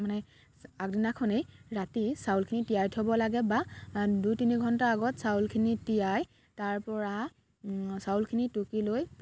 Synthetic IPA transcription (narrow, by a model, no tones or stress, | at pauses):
manɛ | ak̚dinakʰɔnejɹatisawlkʰinitijajtʰɔbɔlaɡɛbadujtiniɡʱɔntaaɡɔtsawlkʰinitijaj | taɹpɔɹa | sawlkʰinitukiloj